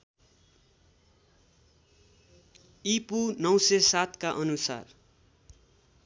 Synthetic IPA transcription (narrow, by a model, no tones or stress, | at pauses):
ipunʌw̃sesat̪kaʔʌnusa̰r